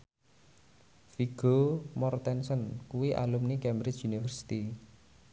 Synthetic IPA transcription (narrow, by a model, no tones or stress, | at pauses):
fiɡ̥omɔrt̪ɛnsənkuwiʔa̰lumnikɛmbɾɪt͡ʃunifərsi̥t̪i